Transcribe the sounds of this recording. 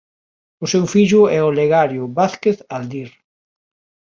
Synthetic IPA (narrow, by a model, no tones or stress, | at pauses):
ʊsewfiʎʊɛoleɣaɾjʊβaθkeθald̪iɾ